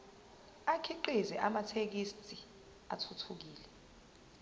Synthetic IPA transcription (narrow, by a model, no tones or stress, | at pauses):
akʰiǃizɛʔamatʰek̬istʼi | a̰tʰutʰuk̬iːlɛ